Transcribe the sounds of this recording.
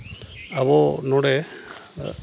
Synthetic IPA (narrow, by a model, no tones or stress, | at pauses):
aβɔnɔɽɛ